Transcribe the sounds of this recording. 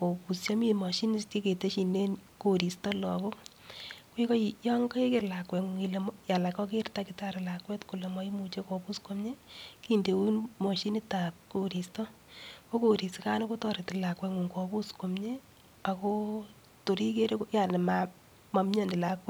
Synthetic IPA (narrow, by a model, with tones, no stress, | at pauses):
ko˨pu˨sja˦mi˦mɔ˨ʃi˦ni˦sti˦ke˨te˦ʃi˨ne˦nko˨ɾi˨stɔ˦lɔ̰˨ko˦ | kwi˦ko˦jɔ˦ŋɡɔ˦e˦kɪ˨ɾla˨kwɛ˨ŋuŋi˨lemja˨la˨kɔ˦k̬ertakɪtaɾɛ˨la˨kwɛ˦tku˨le˨mɔ˦i˦mu˨t͡ʃe˦ko˨pu˦sko˦mɲe˦kinde˨wu˦nmɔ˨ʃi˦ni˦ta˨p̚ko˨ɾi˨stɔ˦ | ko˦ko˨ɾi˨si˨ka˦no˦ko˦tɔ˨ɾe˨tɪ˨la˨kwɛ˨ŋu˨ŋko˨pu˦sko˨mɲe˦ | a˨ko | to˨ɾi˦ke˦ɾekoja˨ne˨ma | ma˨mɲɔ˦ndi˨lakwɛ˦